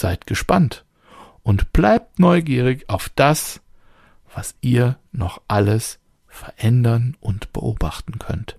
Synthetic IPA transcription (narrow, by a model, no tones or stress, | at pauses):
z̥aɪtɡ̥əʃpant | ʔʊntb̥laɪp̚tnɔʏɡiːʁɪçaʊfd̥as | v̥asʔiːɐ | nɔχʔaləs | fɛɐʔɛndɐnʔʊntb̥ə̰ʔoːbaχtn̩kʰœ̰nt